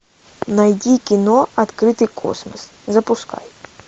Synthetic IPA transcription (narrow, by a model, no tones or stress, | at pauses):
nɐjdʲikʲɪnoɐt̪kɾɨt̪ɨjkʰo̰smɐs | zɐpʊska̰j